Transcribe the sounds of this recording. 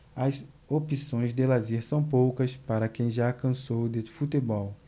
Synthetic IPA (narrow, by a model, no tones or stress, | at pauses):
ɐz | opisõj̃zd̪elazeɾsɐ̃w̃powkɐspaɾɐkẽj̃ʒaːkɐ̃sowd̪efut̪ebɔw